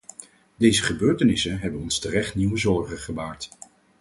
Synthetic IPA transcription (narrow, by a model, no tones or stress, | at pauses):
dejzəχəbøːɹtənɪsənɦɛbənɔnstərɛχtniwəzɔɹχəχəbaːɹt